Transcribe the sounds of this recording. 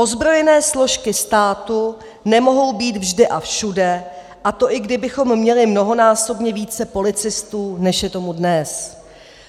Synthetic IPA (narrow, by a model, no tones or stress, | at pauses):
ʔo̞zbɾo̞jɛnɛːslo̞ʃkɪst̪aːt̪u | nɛmo̞ɦo̞wbiːt̪vʒdɪʔafʃudɛ | ʔat̪o̞ʔɪɡdɪbɪxo̞mːɲɛlɪmno̞ɦo̞naːso̞bɲɛviːt͡sɛpo̞lɪt͡sɪst̪uːnɛʃjɛt̪o̞mudnɛs